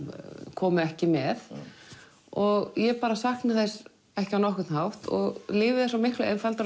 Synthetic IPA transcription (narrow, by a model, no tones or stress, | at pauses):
kʰɔːmʏɛhcɪmɛθ | ɔɣjɛpaːɾasahknɪθɛs | ɛhcɪawnɔhkʏt̪nhawht̪ɔ̰ɣlɪːvɪðɛsawmɪhklʏʔɛnfalt̪aɾ